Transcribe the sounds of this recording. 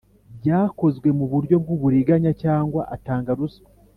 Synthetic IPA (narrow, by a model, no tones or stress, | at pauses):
bɟaːko̞zɡwe̞muβuɾɟo̞bɡuβuɾiɡaɲacaːŋɡwa̰ʔataːŋɡaɾuso